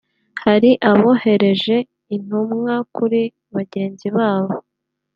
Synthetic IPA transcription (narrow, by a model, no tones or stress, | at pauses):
haɾiʔaβo̞he̞ɾe̞ʒe̞ | in̥umŋakuɾi | βaɟe̞ːnziβaːβo